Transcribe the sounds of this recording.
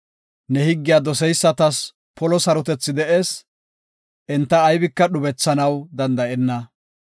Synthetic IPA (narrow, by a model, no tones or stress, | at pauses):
nɛhɪɡːɪjaːd̪ɔsɛjsːɐt̪ɐs | pɔlɔsɐɾɔt̪ɛt͡sːɪd̪ɛʔe̞ːs | ʔɛnt̪ːɐːjbɪkːɐɗʊbɛt͡sːɐnɐwd̪ɐnd̪ɐʔɛnːɐ